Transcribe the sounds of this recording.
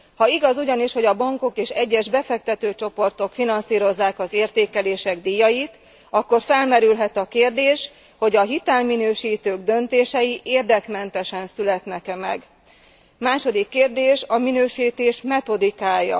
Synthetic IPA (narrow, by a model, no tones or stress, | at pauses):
hɒiɡɒzuɟɒniʃho̞ɟɒbɒŋko̞keːʃɛɟːɛʒbɛfɛk̚t̪ɛt̪øːt͡ʃo̞po̞rt̪o̞kfinɒnsiːɾo̞zːaːkɒzeːrt̪eːkɛleːʃɛɡd̪iːjːɒjit̪ | ɒkːo̞rfɛlmɛɾylɦɛt̪ɒkeːrd̪eːʃ | ho̞ɟɒɦit̪ɛlminøːʃiːt̪øːɡd̪ø̞nt̪eːʃɛjiʔeːrd̪ɛkmɛnt̪ɛʃɛnsylɛt̪nɛkɛmɛɡ | maːʃo̞d̪ikːeːrd̪eːʃɒminøːʃiːt̪eːʃmɛt̪o̞d̪ikaːjːɒ̰